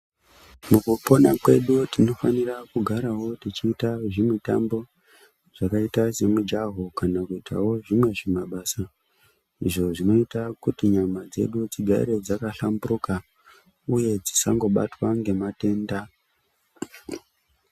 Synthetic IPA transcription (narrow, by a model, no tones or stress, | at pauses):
mukupo̞nakwe̞ɗutino̞fanirakuɡʱaɾawo̞tit͡ʃiːtaʐimita̰mbo̞ | ʐ̥akaitase̞mud͡ʒaɦokanakuitʰa̰wo̞ʐimwe̞ʐimaɓasa | iʐo̞ʐino̞itakutiɲamad͡ze̞̰ɗud͡ziɡʱaḭɾe̞d͡zakaɬamburuka | uje̞d͡zisaŋɡo̞ɓa̰twaŋɡe̞mate̞ːnda